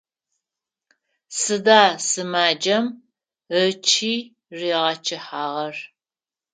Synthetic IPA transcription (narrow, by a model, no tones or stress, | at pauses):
sɨdaːsɨmaːd͡ʒɐm | ət͡ʃʰiː | riːʁɐt͡ʃʰɪħaːʁɐr